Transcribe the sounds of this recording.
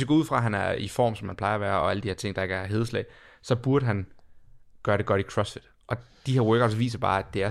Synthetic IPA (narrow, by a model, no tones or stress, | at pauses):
esɡ̥̰ːuð̰ˠfʁɑ̈ɦænæifɒ̰ːmsɒ̽mːænpʰl̥ɑ̈ɪɐæʋæːɐɒ̽æləd̥iheɐt͡sʰe̝ŋ̰d̥ɑe̝ɡ̥æɦe̝ð̞ˠəslɛ̰ɪsɒ̽b̥uɐɾ̥əɦæn | ɡ̥ɶːɐɾ̥e̝ɡ̥ɒ̽ɾ̥ikʰʁɒ̽sfid̥ | ʔɒ̽d̥iheɐwɜːɡ̥ɒʊ̥sʋḭːs̬ɐb̥ɑ̈ːæd̥e̝æɐ